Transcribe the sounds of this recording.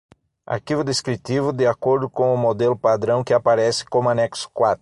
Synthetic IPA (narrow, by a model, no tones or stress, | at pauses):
a̰ɾkivʊd̪eskɾit̪ivʊd̪ɪakoɾd̪ʊkõw̃ʊmod̪elʊpad̪ɾɐ̃w̃kɪapaɾɛsɪ̥kõmʊanɛksʊ̥kwat̪ɾʊ